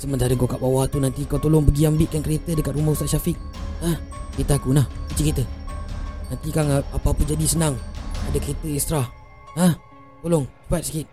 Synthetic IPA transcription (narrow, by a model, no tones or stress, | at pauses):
səmənt̪aɾəkokaʔbawaht̪unant̪ikawt̪olɔŋpəɡiambɪʔ̪̚kankəɾet̪ədəkat̪rumahusaʔʃafɪk̚ | ah | ket̪aakunahkit͡ʃikit̪ə | nant̪ikaŋapapund͡ʒadisənaŋadakəɾet̪əɛkst̪ɾah | ah | t̪olɔŋsə̥pajt̪̚sə̥kit̪̚